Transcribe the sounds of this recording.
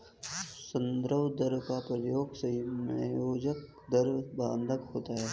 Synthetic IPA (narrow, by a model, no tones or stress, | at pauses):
sənd̪ɾəwd̪əɾkapɾɐjoːɡsɐimɐjoːd͡ʒək̚ | d̪ɐɾbãːnd̪əkɦoːt̪aːɦɛː